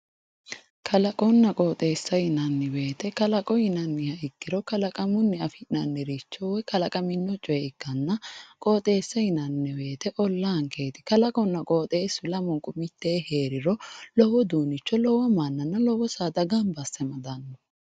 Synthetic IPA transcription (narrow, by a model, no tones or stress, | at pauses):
kʰɐlɐkʼɔnːɐkʼoːt̪ʼeːsːɐjɪnɐnːɪwe̞ːt̪ɛkɐlɐkʼɔjɪnɐnːɪhɐɪɡːɪɾɔkɐlɐkʼɐmʊnːɪɐfɪnɐnːɪɾit͡ʃːɔwɔjkɐlɐkʼɐmɪnːɔt͡ʃʼɔjɛɪkːɐnːɐkʼoːt̪ʼe̞ːsːɐjɪnɐnːɪwe̞ːt̪ɛʔɔlːaːŋkʰe̞ːt̪ɪ̥kɐlɐkʼɔnːɐkʼoːt̪ʼe̞ːsːʊlɐmɔŋkʼʊmɪt̪ːeːhe̞ːɾɪɾɔlɔwɔd̪uːnɪt͡ʃːɔlɔwɐmanːɐnːɐlɔwɔsaːd̪ɐɡɐmbɐsːɛmɐd̪ɐnːɔ